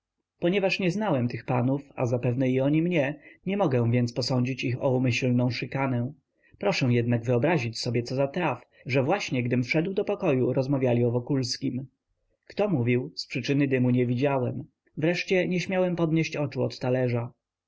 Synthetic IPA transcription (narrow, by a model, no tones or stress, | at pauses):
pɔɲɛvaʂɲɛznawɛmt̪ɘxpanufa̰zapɛvnɛiɔɲimɲɛɲɛmɔɡɛ̃w̃vʲjɛnt̪spɔsɔɲd͡ʑit͡ɕixɔumɘɕlnɔ̃w̃ʂɘkanɛ̃ | pɾɔʂɛ̃jɛd̪̚naɡvɘɔbɾaʑit͡ɕsɔbʲjɛt̪sɔzat̪ɾaf | ʐɛvwaɕɲɛɡd̪ɘmfʂɛd̪wd̪ɔpɔkɔjuɾɔzmavʲjalʲiɔvɔkulskʲim | kt̪ɔmuvʲiwspʂɘt͡ʂɘnɘd̪ɘmuɲɛvʲid͡ʑawɛm | vɾɛʂt͡ɕɛɲɛɕmʲjawɛmpɔd̪ɲeɕt͡ɕɔt͡ʂuɔt̪ːalɛʐa